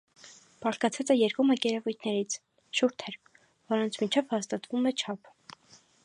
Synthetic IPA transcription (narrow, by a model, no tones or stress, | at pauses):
b̥ɑʁkɑt͡sʰɑt͡sɛjɛɾkuməkɛɾɛvujt̪ʰnɛɾit͡sʰ | ʃuɾt̪ʰɛɾ | vɔɾɔnt͡sʰmit͡ʃʰɛvhɑst̪ɑt̪vumɛt͡ʃʰɑpʰ